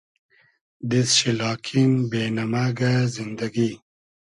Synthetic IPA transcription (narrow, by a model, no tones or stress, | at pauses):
d̪isɕilɑːkʰinbenɐmaɡazind̪ɐɡi